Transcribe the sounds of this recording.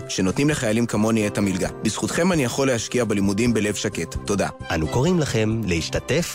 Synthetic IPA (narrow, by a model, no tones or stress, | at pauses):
ʃe̞no̞t̪nimle̞χajalimkamo̞niethamilɡa̰biz̥χut̪χe̞manijaχo̞lehaʃkiabelimudimbe̞le̞vʃake̞tːo̞da̰ʔanuko̞ʁimlaχe̞mlehiʃtate̞f